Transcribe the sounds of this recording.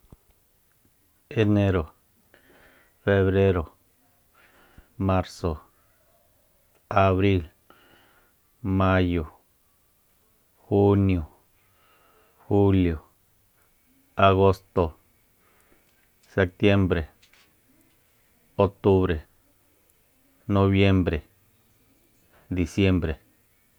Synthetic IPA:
e˧nẽ˦ɾo˨ | fe˧βɾe˦ɾo˨ | mã˦ɾso˨ | a˨βɾi˦l | mã˦jo˨ | xu˦njo˨ | xu˦ljo˨ | a˧ɣo˦st̪o˧ | se˧k̚t̪je˦mbɾe˨ | o˧k̚t̪u˦βɾe˨ | nõ˧βje˦mbɾe˨ | d̪i˨sje˦mbɾe˨

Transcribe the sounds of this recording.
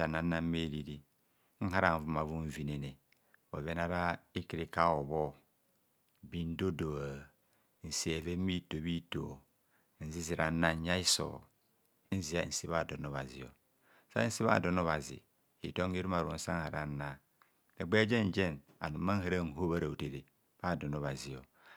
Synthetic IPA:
a˨na˨˦nːa˦m̩˦me˦˨di˨di˦ | ŋ̩˦ha˦ɾa˨ɱ˨vu˨˦ma˨vu˦ɱ̩˨vi˨ne˨ne˨ | o̰˨ve˦na˦ɾa˦i˦ki˨ɾi˦ka˦o˨βo˦˨ | bi˦n˦do˦do˨a˨ | n̩˨si˦e˨ve˦mi˦to˨bi˦to̰˨ | n̩˨zi˦zi˨ɾa˨˦na˦ɲ˦ɲa˦i˦so̰˨˦ | n̩˦zi˨˦a˦˨n̩˨si˦βa˦˨do˨no˦βa˨zḭ˨o̰˨ | sa̰˦n̩˦si˦βa̰˦˨do˨no˦βa˨zḭ˨ | ḭ˨to˦ŋ˦i˦ɾu˦ma˨ɾu˨o˨n̩˦sa˦ŋ˦ha̰˨ɾa˨˦na˨ | ne˨ɡ͡be˦d͡ʒe˦n˨d͡ʒe˦˨n | a̰˨nu˨mːa˦n̩˦ha˦ɾa˦˨n̩˨ɦo˦βa˦ɾa˨u˨te˨ɾe˨ | b̥a˦˨do˨no˨βa˨zi˨o˨

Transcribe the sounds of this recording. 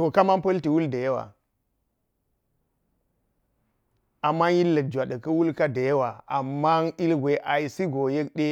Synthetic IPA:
to˨ka˦ma˦npɐ˦lti˨wu˦lda˨je˦wa̰˨ | a˨mːa˦nji˦lːə˨t̚d͡ʒa˨ɗə˨kɐ˦wu˦lka˦da˨je˦wa˨a̰˨mːa˦ŋi˦lɡʷe˨˦ʔa˨i˨si˦ɡo˨je˦k̚ɗe˦

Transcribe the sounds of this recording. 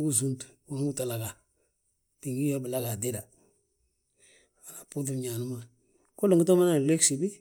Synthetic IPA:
ɡu˦s̬u˦ntwa˨ŋ˦u˦ta˨la˨ɡa˨ | di˨ŋɡi˦jo˦bɪ˨la˦ɡa˨di˦ɾa˨ | a˨na˨pu˦tu˦mɲa˨nu˦ma˦ | ku˦lu˨ŋɡi˦to˦ma˦na˨le˦ksi˨bi˦

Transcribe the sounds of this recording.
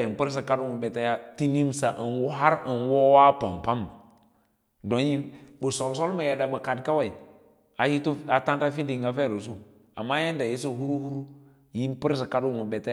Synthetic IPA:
ji˨mpə˦ɾs̬a˨ka˦du˦mu˨be˨ta˦ja˦ti˦ni˦msa˨ʔə˨nwu˦ɦa˦ɾə˨nwo˦wa˦pa̰˨mpa˦m˨ | do˨n˦i˦nbu˨so˨lso˦lma˨ja˨da˨bə˨ka˨dka˦wa˨i˨ | a˨ji˦ta˨ta˦nta˦fi˦ndi˨ŋɡa˦fe˦˨ɾo˨su˦ | a̰˨mːa˦ja˦nda˨ji˦s̬o˦hu˦ɾu˦hu˦ɾu˦ | ji˦npi˦ɾs̬a˨ka˦du˨mu˨be˨ta˦

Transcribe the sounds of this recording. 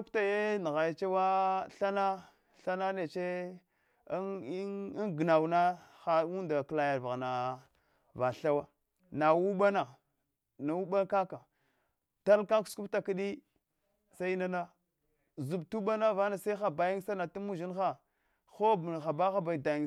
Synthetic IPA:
a˦kta˨je˦n˨ɣa˨ja˨t͡ʃe˦wa˦ɬa˦na˦ | ɬa˦na˦ne˨t͡ʃe˦ | nɡna˨wna˦xa˨˦wu˦nda˨kla˨ja˨va˨na˨ | va˨ɬa˦wa˦ | na˨wu˦ɓa˦na˨ | na˨wu˦ɓa˦ka˦ka˨ | ta˦lka˦ksku˦pta˨ki˦ɗi˦ | sa˦i˦na˦na˦ | zu˨btu˦ɓa˦na˦va˦na˨sa˦i˦xa˨ba˨ji˦ŋ˦sa˦na˨tu˦mu˦ʒi˦nxa˦ | xo˦bxa˨ba˦xa˦ba˨da˨ji˦

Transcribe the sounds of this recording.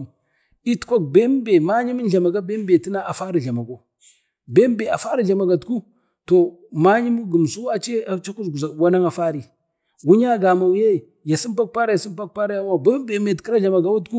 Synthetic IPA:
i˦tkʷa˦k̚be˦m˦be˨ma˦ɲi˦mi˦n˦ɮa˨ma˨ɡa˦be˦m˦be˨ti˦na˦a˨fa˦ɾi˨ɮa˨ma˨ɡo˨ | be˦m˦be˨a˨fa˦ɾi˦ɮa˨ma˨ɡa˨tku˦ | to˨ma˦ɲi˦mu˦ɡu˨m˨su˦wa˦t͡ʃe˦a˨t͡ʃa˦ku˦zɡu˨za˨wa˦na˦ŋa˨fa˦ɾi˨ | wu˦ɲa˦ɡa˨ma˨wje˦˨ | ja˨si˦mpa˦k̚pa˦ɾa˦ja˨si˦m˦pa˦k̚pa˦ɾa˦ja˦m˦a˦˨be˦m˦be˨me˨tki˦ɾa˦ɮa˨ma˨ɡa˨˦wu˦tku˦

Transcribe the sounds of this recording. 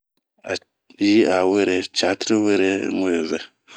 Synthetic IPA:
a̰˨ | ji˦a˨wə˦ɾe˨t͡ʃa˨˦tɾwə˦ɾe˦ŋu˦jo˨zə˨

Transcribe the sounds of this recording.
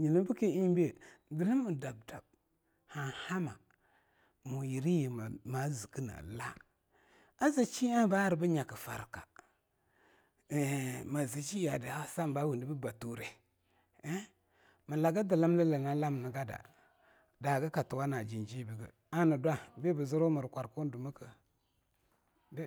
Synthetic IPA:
ɲi˨nu˦bu˦ki˦i˦be˦˨ɡi˨li˦mːu˨da˨b̚da˨b̚ | ha˨ha˦ma˨ | mu˨ji˨ɾi˦ji˨ma˨ma˨˦zi˨ki˦na̰˨la˦ | a˦zi˨t͡ʃi˦a˦ba˦ɾi˨bə˦ɲa˨kə˨fa̰˨ɾka̰˨ | ma˨zi˨t͡ʃi˦ja˨də˨a˦sa˦mba˦wu˨ndi˦bə˦ba˨tu˨ɾe˦ | mə˨la˨ɡa˦da˨la˦m˦lə˦lə˨na˦la˦m˨nə˨ɡa˦da̰˨ | da˨ɡə˦ka˨tu˨wa˦na˨d͡ʒi˨nd͡ʒi˦bi˨ɡə̰˨ | a˦nə˨dwa˦be˦bə˨zu˦ɾo˦mə˨ɾkʷa˨ɾku˦n˦du˨mə˦kə˨ | d

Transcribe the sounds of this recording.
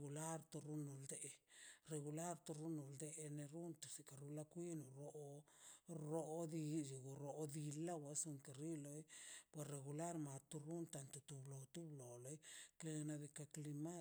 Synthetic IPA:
ɡu˨la˦ɾt̪o˧ɾu˦nu˨ld̪e˦ʔre˧ɣu˧la˦ɾt̪u˧ɾu˦nu˨ld̪e˧˦˧ne˧ɾu˦nt̪u˨si˨ka˨ɾu˧la˧kʷi˦nu˨ɾo˦ | ɾo˦d̪i˧ju˨ɡu˨ɾo˨˦d̪i˧la˦wa˨su˧ŋke˨ɾi˦lo˧jpwe˨re˨ɣu˨la˦ɾma˨t̪u˧ɾu˦nt̪a˧nt̪u˨t̪u˧blo˨t̪u˦blo˨lo˧˦jke˧na˧d̪i˧ka˧kli˧ma˦

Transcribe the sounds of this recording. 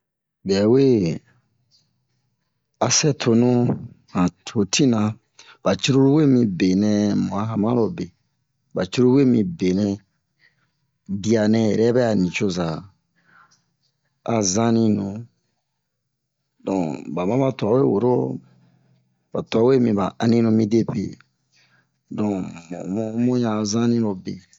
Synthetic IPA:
bɛ˨we˦ | a˨sɛ˦tʰo˨nũ˦ | hã˨tʰo˨tʰĩ˦nã˧ | b̥a˨t͡ʃu˦ɾo˦ɾwe˦mĩ˧be˨nɛ̃˧m˨ã˨˦ɦã˨mã˦lo˦be˨ | ba˨t͡ʃu˦ɾo˦we˦mĩ˧be˨nɛ̃˧ | bi˦a˨nɛ̃˧jɛ̰˨ɾɛ˦bɛ˦a˨nĩ˨t͡ʃo˧za˨ | a˨zã˦nĩ˧nũ˨ | dɔ̃˨ba˨mã˦ba˨ta˨˦we˦˨wo˨ɾo˦ | ba˨ta˨˦we˦mĩ˧ba˨ã˧nĩ˦nũ˧mĩ˧de˦pḛ˨ | dɔ̃˨m̰̃˨m˦mõ˦jã˧zã˦nĩ˦ɾo˨bḛ˨

